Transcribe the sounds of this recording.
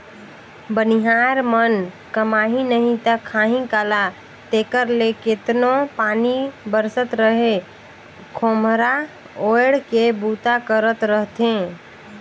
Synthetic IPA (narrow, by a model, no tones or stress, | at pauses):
bəniɦaɾmən | kəmaːɦinəɦĩt̪əkʰːaːɦĩkala | t̪eːkəɾleket̪nopaːnibəɾsət̪ɾəɦe | kʰomɾa | oɪɽkebut̪akəɾət̪ɾəɦt̪ẽ